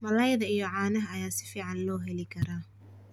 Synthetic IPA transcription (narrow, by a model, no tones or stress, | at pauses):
mɐlɐjðɐijɔʕɑːnɐɦɐːjaːsɪ̥fiːʕɑnlɔːɦɛlɪkʰɐɾaː